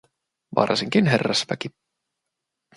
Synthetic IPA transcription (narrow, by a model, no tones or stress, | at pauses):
ʋɑ̰rsiŋkinɦerːæspæki